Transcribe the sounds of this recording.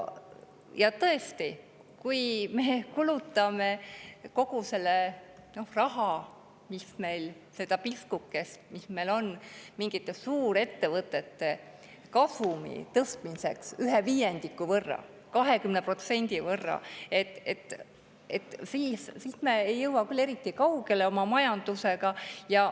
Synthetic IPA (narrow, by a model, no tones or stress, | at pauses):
jɑt̪ɤest̪i | kujme̞kulut̪ːˑɑme̞ko̞ɡ̥use̞lːeno̞hrɑɦɑ | misme̞jl | se̞d̪̥ɑpiskukːˑesmisme̞lo̞nmiŋɡ̥it̪ːˑe̞suːɾe̞t̪ːe̞vɤt̪ːˑe̞t̪ːe̞ | kɑsumḭt̪ɤst̪mise̞ksyɦeviːjend̪̥ikːˑuvɤrːɑ̰ | kɑɦe̞kymnepro̞t̪se̞nʲd̪̥ivɤrːɑ̰et̪ːˑet̪ːˑ | et̪ːˑsiːssiːsme̞ejːɤwɑkylːe̞ɾit̪ːˑikɑwɡe̞leo̞mɑmɑjɑnd̪̥use̞ɡ̥ɑjɑ